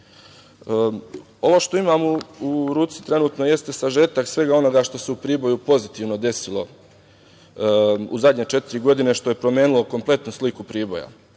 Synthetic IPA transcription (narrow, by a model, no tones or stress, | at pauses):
o̞ʋoːʃt̪o̞imamuuɾuːt̪si̥t̪ɾe̞nuːt̪no̞je̞st̪esaʒe̞ːt̪aksʋe̞ɡao̞no̞ɡaʃt̪o̞se̞upɾiːbo̞jupo̞zit̪iːʋno̞d̪e̞silo̞̰ | ṵzad̪ɲet͡ʃe̞t̪iɾiɡo̞d̪ine̞ʃt̪o̞je̞pɾo̞mjeːnulˠo̞ko̞mple̞t̪nuslikupɾiːbo̞̰ja̰